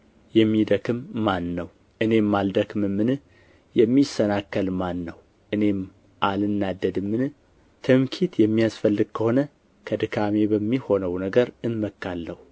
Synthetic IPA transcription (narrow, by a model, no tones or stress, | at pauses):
jɛmːid̪əkɨmːanːəw | ʔɨne̞mːald̪əkɨmɨmːɨnɨ | jɛmːisːənakːəlmanːəw | ʔɨne̞m | ʔalɨnːad̪ːəd̪ɨmːɨnɨ | t̪ʰɨmkʰit̪jɛmːijasfəlːɨɡ̚kʰəho̞nə | kʰəd̪ɨkʰame̞bəmːiho̞nəwnəɡəɾɨnməkːalːəhu